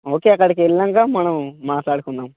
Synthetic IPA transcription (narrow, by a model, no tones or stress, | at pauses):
o̞ːke̞ːɐkːɐɽikiɛlːɐŋkaːmɐnɐmːaːʈlaːɽukunːaːm